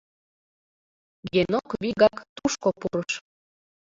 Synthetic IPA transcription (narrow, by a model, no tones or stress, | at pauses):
jenokβiɣɑkt̪uʃkopuɾəʃ